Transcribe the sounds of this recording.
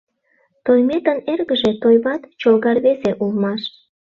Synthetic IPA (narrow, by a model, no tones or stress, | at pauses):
t̪ojmet̪ənerɣəʒet̪ojβɑt̪t͡ɕolɣɑrβeseʔulmɑʃ